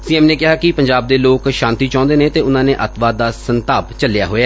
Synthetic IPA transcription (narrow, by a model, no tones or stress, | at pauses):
siːɛːmneːkɪɦaːkɪpəɲd͡ʒaːb̚d̪eːloːkʃãːnt̪iːt͡ʃãːnd̪eːnẽːt̪eːʊnãːnẽːʔət̪ʋaːd̪aːsənt̪aːpt͡ʃəlja̰ːɦoːjaː